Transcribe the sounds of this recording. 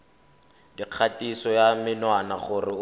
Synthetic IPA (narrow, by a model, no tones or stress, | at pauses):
diq͡χʰatʼisɔjamɪnwanaχʊrɪ